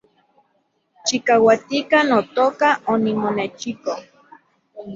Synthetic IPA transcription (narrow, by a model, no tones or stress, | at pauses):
t͡ʃikawat̪ikanot̪oːkaonimonet͡ʃiko